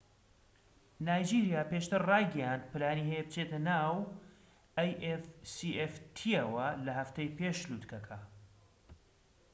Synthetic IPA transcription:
naːjd͡ʒiɾijaːpeːʃt̪ɨɾrɑjɡɐjand̪̚pɨlaːniːɦejɛbɨt͡ʃʰet̪ɐnaːw | ɐjʔefsiʔeft̪ʰiɐwɐlɐɦɐft̪ejpeːʃluːt̪kɐkʰɐ

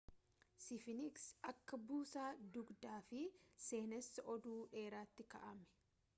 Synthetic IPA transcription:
sɪfɪnɪksʔɐkːɐbuːsaːd̪ʊɡd̪aːfɪse̞ːnɛsːɐʔɔd̪uːᶑe̞ːɾaːt̪ːɪkɐ̰ʔɐmɛ̥

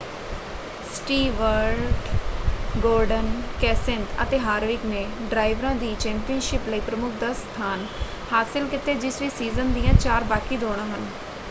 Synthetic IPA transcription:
sʈiːʋəɾʈ | ɡoːɾɖənkɛːsɪ̃nt̪ə̰t̪eːɦaːɾʋɪkneːɖɾaːɪʋɾãːd̪iːt͡ʃɛ̃ːmpiənʃɪpləiːpɾəmʊk̚ʰd̪aːst̪ʰaːn | haːsɪlkɪt̪eːd͡ʒɪsʋiːsiːzənd̪ijãːt͡ʃaːɾbaːkiːd̪oːɽ̃ãːɦən

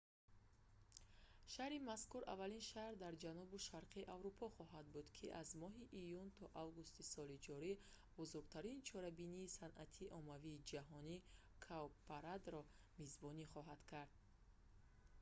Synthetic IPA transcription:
ʃahɾimaskuɾʔa̰valinʃahɾd̪aɾd͡ʒanubuʃaɾqʰiːʔavɾupʰɔχɔɦad̪̚bud̪kʰiʔazmɔɦiʔijunt̪ʰɔʔavɡust̪isɔlid͡ʒɔɾi | buzuɾɡ̚t̪ʰaɾint͡ʃʰɔɾabiniːsanʔat̪ʰiːʔɔmaviːd͡ʒaɦɔni | kʰawpaɾad̪ɾɔ | mizbɔniχɔɦad̪̥kʰaɾd̪̥̚

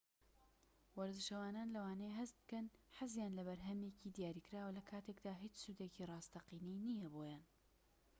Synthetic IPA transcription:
wɐɾd̪ɨʃɐwaːnaːnlɐwaːnejɦɐst̪̚bɨ̥kɐnħazjaːnlɐβɐɾɦɐmjeːcid̪ijaːɾiːkɨɾaːwɐlɐkʰaːt̪ekd̪aːɦit͡ʃsud̪eːcirˤɑːst̪ɐqiːniːnijɐboːjaːn

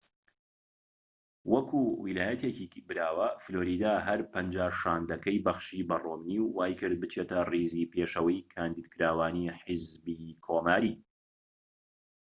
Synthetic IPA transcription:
wɐkʰuwilaːjɐt̪ecibɨɾaːwɐfloːɾiːd̪aːɦɐɾpɐnd͡ʒaːʃaːnd̪ɐkɐjbɐxʃibɐromniwːaːjkɨɾd̪̚bɨt͡ʃʰet̪ɐriziːpeːʃɐwɐjkʰaːnd̪iːd̪kɨɾaːwaːniħɪzbikʰoːmaːɾiː

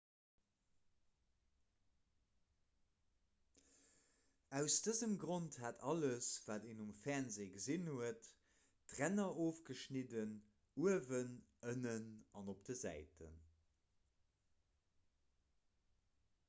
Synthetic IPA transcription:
æʊsd̥əzəmɡʁonthatʰɑləsv̥aːteːnumfæʁnzeːɡəzinhuətː | ʁænɐʔoːfɡ̥əʃnidən | uəvənənənɑnop̚d̥əzæ̰ɪtʰə̰n

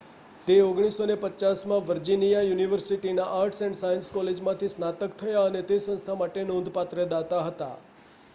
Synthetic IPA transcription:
t̪eoɡɽ̃isonepət͡ʃasmãʋəɾd͡ʒinijajuniʋəɾsiʈinaʔaɾʈʰsɛ̃ɳʈsajənskɔled͡ʒmãt̪ʰisnat̪əkt̪ʰəjaənet̪esə̃ñst̪ʰamaʈenõnd̪ʱpat̪ɾəd̪at̪aɦət̪a̰

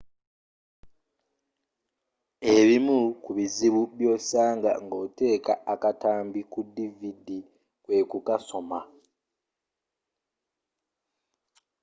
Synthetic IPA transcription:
e̞βimukuβiziβuβjo̞ːsaːŋɡa̰ŋɡo̞te̞ːkaːkataːmbikudːividi | kwe̞ːkukaso̞ma

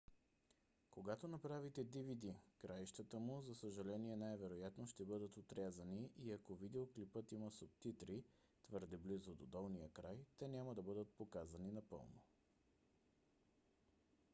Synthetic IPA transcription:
koɡat̪onɐpɾavit̪ɛd̪ivid̪ikɾaiʃt̪ət̪əmuzɐsəʒɐlɛniɛnajvɛɾojat̪noʃt̪ɛbɤd̪ət̪ot̪ɾʲazəniʔiɐkovid̪ɛoklipət̪iməsʊpt̪it̪ɾi | t̪vɤɾd̪ɛblizod̪od̪ɔlˠnijəkɾajt̪ɛnʲaməd̪ɐbɤd̪ət̪̚pokazəninɐpɤ̰lˠno̰

